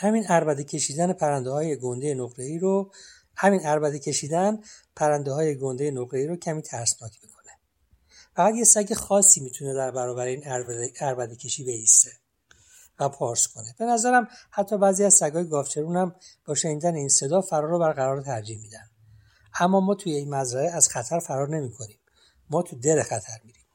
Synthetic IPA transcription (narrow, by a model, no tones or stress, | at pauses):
hæminæɾbæd̪ecʰe̞ʃiːd̪ænepʰæɾænd̪eɦɒːjeɡond̪ejenoɡɾeiːɾo | hæminæɾbæd̪ecʰe̞ʃiːd̪ænpʰæɾænd̪eɦɒːjeɡo̞nd̪ejenoɣɾe̞iːɾocʰæmiːt̪ʰæɾsnɒːt̪ʰbikʰo̞̥ne̞ | fæɣæt̪jesæɟe̞xɒːsiːmiːt̪ʰune̞d̪æɾbæɾɒːbæɾeiːnæɾbæd̪ecʰeʃiːbe̞ist̪e | væpʰɒːɾskʰo̞ne̞b̥e̞næzæɾæmhæt̪ʰːɒːbæːziæzsæɡɒːjeɡɒːft͡ʃʰe̞ɾunhæmb̥ɒːʃe̞niːd̪æneinse̞d̪ɒːfæɾɒːɾobæɾɣæɾɒːɾt̪ʰæɾd͡ʒihmiːd̪ænd̪ | æmːɒːmɒːt̪ʰujeinmæzɾæɾeæz̥xæt̪ʰæɾfæɾɒːɾne̞miːkʰo̞niːmː | ɒːt̪ʰud̪ele̞xæt̪ʰæɾmiːɾiːm